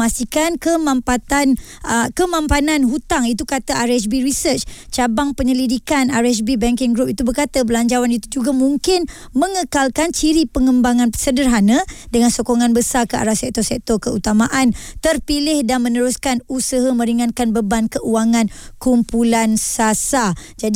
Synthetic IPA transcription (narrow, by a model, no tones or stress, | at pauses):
ast̪ikankəmãmpat̪an | kəmãmpananɦut̪aŋit̪ukat̪aʔaɾɛs̬biɾisət͡ʃt͡ʃabaŋpəɲəlidikanaɾɛs̬bibɛŋkɪŋɡɾup̚it̪ubərkat̪abəlaɲd͡ʒawanit̪ud͡ʒuɡamuŋkɪn | mə̃ŋəkalkant͡ʃiɾipəŋəmbaŋansədərɦanãdəŋansokoŋãnbəsarkəʔa̰ɾasɛk̚t̪ɔsɛk̚t̪ɔkəut̪amaʔant̪ərpilɪhdanmə̃nəɾuskanusəɦamə̃ɾiŋankanbəbankəʔuaŋãnkumpulansasad͡ʒad